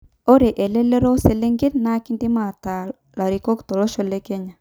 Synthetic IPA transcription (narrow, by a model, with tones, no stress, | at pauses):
o˦ɾe˨ʔe˨le˦le˦ɾo˦se˨le˦ŋɡe˦ɾna˦ki˦ndi˦ma˨ta˨ | la˨ɾi˨ko˦kto˨lɔ˦ʃo˨le˦ke˦ɲa˨